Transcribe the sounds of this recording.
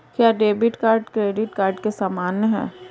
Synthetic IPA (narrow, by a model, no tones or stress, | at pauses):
kjaːɖeːbɪʈkaːɾɖkɾeːɖɪʈkaːɾɖkesaːmaːnːɦɛ̰ː